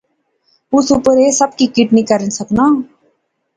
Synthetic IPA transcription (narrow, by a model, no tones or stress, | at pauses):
ʊsupəɾesəb̚kikɪʈnikəɾənsəknaː